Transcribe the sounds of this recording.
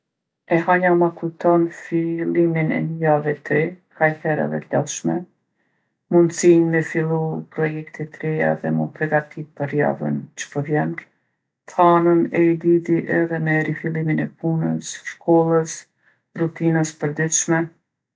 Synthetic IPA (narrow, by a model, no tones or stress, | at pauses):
ɛɦaɲamakut̪ɔnfilˠiminɛ̰njavɛt̪ɾɛkaɾhɛɾa̰ðɛ̰t̪la̰lˠʃmɛ | mund̪siɲmɛfilˠupɾɔjɛkt̪it̪ɾɛa̰ðɛmunpɾɛɡat̪ʰivpəɾja̰və̰nt͡ʃə̥pəɾvjɛn | tanənɛid̪it̪iʔɛðɛmɛɾifilˠiminɛpunəsʃkɔlˠəs | rut̪inəspəɾd̪it̪ʃmɛ